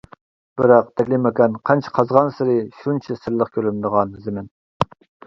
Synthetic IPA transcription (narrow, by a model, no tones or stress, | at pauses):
b̥ɨɾɑq̚t̪ʰɛkʲlɪmekʲɛnqʰænt͡ʃʰi̥qʰɑzʁɑnsɪɾɪʃunt͡ʃʰisɨɾlˠəχkʲʰølynd̪əʁɑnzɪmɪn